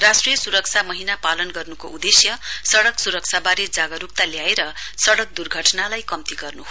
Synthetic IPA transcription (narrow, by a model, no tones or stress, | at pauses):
rasʈrijʌsuɾʌk̚t͡sʰamʌɦinapalʌnɡʌrnukoʔud̪esjʌsʌɽʌksuɾʌk̚t͡sʰabaɾed͡zaɡʌɾukt̪aljaeɾʌ | sʌɽʌk̚d̪urɡʱʌʈnalajkʌmt̪iɡʌrnuɦ